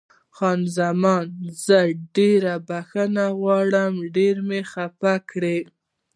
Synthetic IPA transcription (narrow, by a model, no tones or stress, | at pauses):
xɑnzamɑnzəɖeɾabaxənaɣwɑɽəmɖeɾmexapakɽe